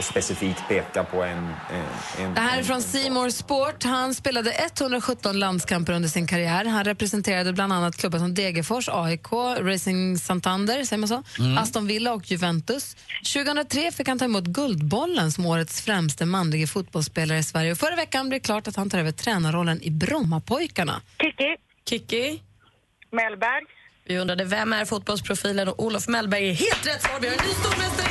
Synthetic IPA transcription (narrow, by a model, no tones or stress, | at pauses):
spɛsɪfiːk̚t̪̚pʰeːkapʰɔɛn | ɛd̪ɛɦæːɾɛfɾɔnsiːmɔɾspoːʈhanspeːlad̪əʔɛt̪ːhɵnd̪ɾaɔɧɵt̪ːɔnland̪skʰampaɾɵnd̪əʂɪnkʰaɾɪæːɾɦanɾɛpɾɛsɛnt̪ʰeːɾad̪əbland̪anːat̪̚kʰlɵbːasɔmd̪eːɡəfɔʂɑːɪkʰoːɾɛjsɪŋsant̪ʰand̪əɾsɛjəmansoːast̪ɔnvɪlːaɔkʰjɵvɛnt̪ɵsɕʉ̟ːɡəhɵnɾat̪ʰɾeːfɪkhant̪ʰɑːɪɛmuːt̪ɡɵld̪bɔlːənsɔmoːɾət̪sfɾɛmst̪əmanlɪɡəfʊt̪̚bɔlspeːlaɾəɪsvæɾjəɔfœɾavɛkːanblɛːkʰlɑːʈat̪hant̪ʰɑɾøːvəʈʰɾɛːnaɾɔlːənɪ̰bɾɔmːapʰɔjkaɳa̰ɪkːɪ | kʰɪkːɪ | mɛlbæɾjvɪɵnd̪ɾad̪əvɛmæɾfʊt̪̚bɔlspʰɾʊfiːlənɔuːlɔfmɛlbæɾjɪɦeːlt̪ɾɛt̪ːsɑːɾvɪhanyːst̪uːɾmɛt̪ə